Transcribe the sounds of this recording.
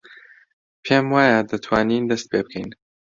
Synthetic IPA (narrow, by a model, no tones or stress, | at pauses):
pʰemwaːjad̪ɐt̪ʰwaːniːnd̪ɐst̪̚pʰebɨkʰɛjn